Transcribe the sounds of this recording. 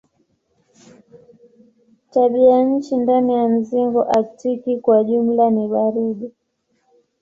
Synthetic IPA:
taɓiaɲ̩t͡ʃindanijam̩ziŋɡɔʔaktikikwaʄum̩laniɓaɾiɗi

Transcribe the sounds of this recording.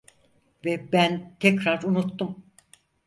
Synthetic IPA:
vɛbænt̪ʰɛcɾaɾunut̪ːum

